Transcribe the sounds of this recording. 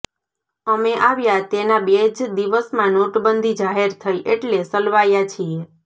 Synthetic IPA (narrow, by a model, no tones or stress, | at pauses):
əmeʔaʋjat̪enabed͡ʒd̪iʋəsmãnoʈbənd̪ʱid͡ʒaɦeɾt̪ʰəjʔeʈlesəlʋajat͡ʃʰie